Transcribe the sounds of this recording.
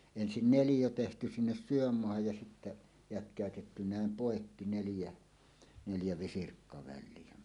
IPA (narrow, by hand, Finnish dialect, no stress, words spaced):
ensin nelijo tehty sinːes syømːoɑhɑj jɑ sitːæ jætkˑæˑøtetːy næˑem poˑekːi neljæ neljæ ʋisirkːɑʋæilˑie